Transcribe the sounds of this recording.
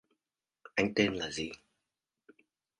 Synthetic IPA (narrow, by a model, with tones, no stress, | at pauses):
ʔa˧jŋ̟t̪e˧nlaː˨˩zi˨˩